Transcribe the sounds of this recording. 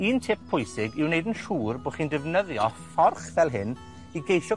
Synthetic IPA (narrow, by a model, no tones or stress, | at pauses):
iːntʰɪp̚pʰʊjsɪɡɪwnejdənʃuːrboːχiːndɪvnəðjɔfɔrχvɛlˠɦɪn | iɡejʃɔ